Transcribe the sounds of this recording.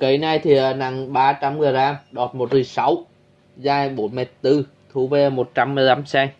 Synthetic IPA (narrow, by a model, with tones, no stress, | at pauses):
kə˨˩jna˧jt̪ʰi˨˩ə˨˩na˨˩ŋɓaː˧t͡ɕa˧mɣaː˨˩zaː˧ɗɔ˨˩t̚mo˨˩t̚zɨ˨˩sa˨˦w | zaː˧jɓo˨˦nmɛ˨˩t̚t̪ɨ˧ | t̪ʰu˨˧˦ve˧mo˨˩t̚t͡ɕa˧mːɨ˧əjla˨˦msɛː˧